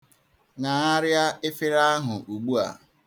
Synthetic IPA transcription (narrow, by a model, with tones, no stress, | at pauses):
ŋa˨a˦ɾja˦e˦fɪ˦ɾa˦ɦʊ˨ʔu˨ɡ͡bu˦a̰˨